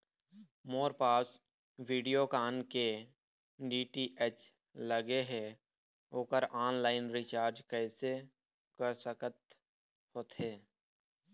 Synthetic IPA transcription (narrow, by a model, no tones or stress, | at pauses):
moːɾpaːs | wiːɖijokaːnke | ɖiːʈiʔet͡ʃ | ləɡeɦɛː | oːkəɾaːnlaːɪnɾɪt͡ʃaːɾd͡ʒkɛːse | kəɾsəkət̪ | hoːt̪ɦɛː